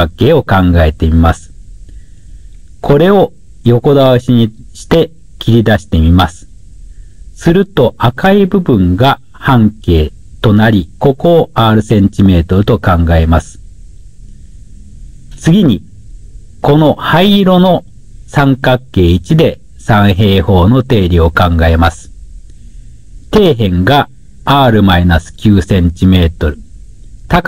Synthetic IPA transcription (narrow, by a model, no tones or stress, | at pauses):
akːe̞ːo̞kãŋɡae̞t̪e̞mʲimasɨ̥ | kʰo̞ɾe̞o̞ | jo̞ko̞d̪aβaɕiɲ̟iɕi̥t̪e̞ | kʲiɾʲid̪aɕi̥t̪e̞mʲimasɨ̥ | sɨɾɯ̟t̪o̞ʔakaibɯ̟bɯ̟̃ŋɡa | hãŋke̞ː | t̪o̞naɾʲiko̞koːaːɾɯ̟sẽ̞ɲ̟t͡ɕime̞ːt̪o̞ɾɯt̪o̞kãŋɡae̞masɨ̥ | t͡sɨɡʲiɲ̟i | ko̞no̞haiɾo̞no̞ | sãŋkakːe̞ːit͡ɕid̪e̞ | sãɰ̃ɦe̞ːho̞ːno̞t̪e̞ːɾʲio̞kãŋɡae̞masɨ̥ | t̪e̞ːɦẽ̞ŋɡaː | ɾɯ̟mainasɨ̥kʲɨːsẽ̞ɲ̟t͡ɕime̞ːt̪o̞ɾɯ̟t̪ak